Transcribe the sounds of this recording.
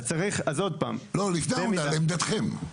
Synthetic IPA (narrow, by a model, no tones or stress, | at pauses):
t͡saʁiχazod̪̚pa̰ːmloliknaemmalemd̪at̪χem